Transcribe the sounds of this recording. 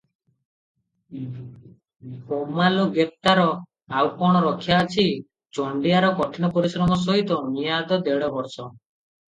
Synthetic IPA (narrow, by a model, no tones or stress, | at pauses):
homaloɡep̚t̪aɾɔ | awpɔɽ̃ɔɾɔkʰjaːt͡ʃʰi | t͡ʃɔɳɖijaɾɔkɔʈʰinɔpɔɾisɾɔmɔs̬ɔɦit̪ɔmijad̪ɔd̪eɽɔbɔɾsɔ